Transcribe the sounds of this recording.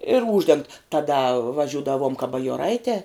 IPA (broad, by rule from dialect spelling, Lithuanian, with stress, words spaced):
ɪr ˈuːʒʲdʲɛŋkt tɐˈdɐ ʋɐˈʒʲuːdɐʋoːm kɐ bɐjoːˈrɐɪtʲɛː